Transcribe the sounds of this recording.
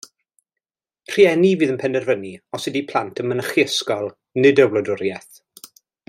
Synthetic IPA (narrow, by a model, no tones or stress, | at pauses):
r̥iɛniviːðənpʰɛndɛrvəniɔsɪdipʰl̥ˠantʰənmənəχjəskɔlˠ | nɪdəwlˠɔdʊɾjɛθ